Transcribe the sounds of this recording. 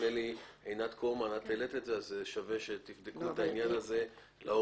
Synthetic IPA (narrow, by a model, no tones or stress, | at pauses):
eliejnat̪komanat̪elet̪etzeazeʃaveʃe̞t̪ifd̪ekut̪ainjanaze̞ | lʔao